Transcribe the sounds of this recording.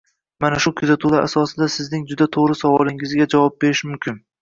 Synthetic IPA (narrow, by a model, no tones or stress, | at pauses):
manaʃʊkʲʰʊzat̪ʰʊlaɾʔa̰sɒsɪd̪asɪznɪŋd͡ʒʊd̪at̪ʰoʁɾɪsavɒlɪŋɪzɡʲad͡ʒavɒp̚be̞ɾɪʃmʊmkʲʰɪn